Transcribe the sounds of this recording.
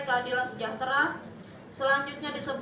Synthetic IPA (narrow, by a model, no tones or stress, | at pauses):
kaadilasəd͡ʒat̪əɾa | səlaɲd͡ʒut̪̚ɲadisəb